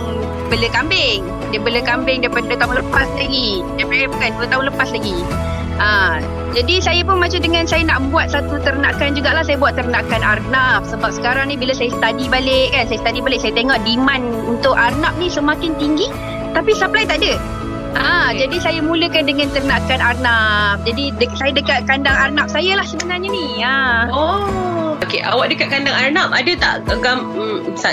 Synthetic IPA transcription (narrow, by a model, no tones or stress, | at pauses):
bələkambɪŋ | dəbələkambɪŋdapaddət̪aʊŋləpaslaɡi | dapajabukanduət̪aũləpaslaɡi | ʔə | d͡ʒadisajap̬ʊnmat͡ʃamdəŋãnsajanaʔbuat̪̚sat̪ut̪əɾənakand͡ʒuɡaʔlahsajabuat̪ːərnakanarnap̚səbap̚sə̥kaɾaŋnĩbiləsajast̪adibalɪʔkansajəsə̥t̪adibalɪʔsajət̪eŋɔʔdiman | unt̪ʊkarnap̚nisəmakɪnt̪iŋɡi | t̪apisamplajt̪aʔdə | ʔãd͡ʒadisajamũləkandəŋãnt̪ərnakanarnap̚d͡ʒadidəsajadəkat̪̚kandaŋarnap̚sajalahsəbənaɲani | aoʔookeʔa̰waʔ̚dəkat̪̚kandaŋarnap̚adət̪a̰ʔkəɡam̩sa